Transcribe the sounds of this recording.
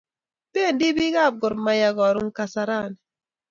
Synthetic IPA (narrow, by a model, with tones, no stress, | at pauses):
pe˦˨ndi˦bi˦ɡa˦˨b̚ɡʊ˨ɾma˨ja˨ɡɔ˨ɾʊ˦ŋ˦ka˨sa˨ɾa˦˨n˨